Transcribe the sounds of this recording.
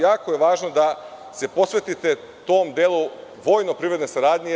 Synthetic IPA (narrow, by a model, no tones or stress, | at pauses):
jaːko̞jeʋaːʒnod̪a | se̞po̞sʋet̪it̪e̞ | t̪oːmd̪elˠuʋo̞ːjnopɾiʋɾe̞d̪nesaɾaːd̪ɲe